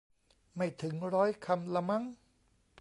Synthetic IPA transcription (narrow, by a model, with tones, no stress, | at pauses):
ma˥˩jt̪ʰɯ˩˦ŋɾɔː˦˥jkʰa˧mla˧ma˦˥ŋ